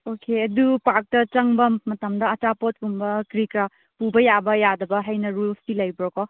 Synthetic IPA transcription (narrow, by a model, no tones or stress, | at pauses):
okʰeɐdupak̚tɐt͡ʃɐŋbɐmːɐtɐmdɐɐt͡ʃapot̚kumbɐkɾikɾa | pubɐjabɐjadɐbɐɦɐjnɐɾulstilɐjbɾɔkɔ